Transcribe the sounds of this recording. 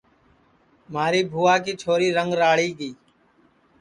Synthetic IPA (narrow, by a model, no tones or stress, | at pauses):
maːɾiːbʱuːaːkiːt͡ʃʰoːɾiːɾəŋɡɾaːɭ̤iːɡiː